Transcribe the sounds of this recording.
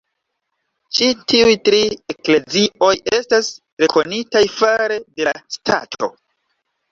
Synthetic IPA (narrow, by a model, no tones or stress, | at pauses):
t͡ʃitiujtɾie̞kle̞ziʔo̞je̞stastɾe̞ko̞nitajfaɾe̞de̞lastʰa̰tʰo̞̰